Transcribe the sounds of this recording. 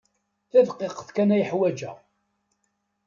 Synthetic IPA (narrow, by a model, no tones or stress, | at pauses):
θæðqeqθkænæjəħwæd͡ʒæ̰